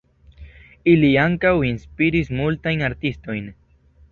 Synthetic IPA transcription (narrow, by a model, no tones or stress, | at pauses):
iliaŋkawinspiɾismult̪ajnaɾt̪ist̪ojn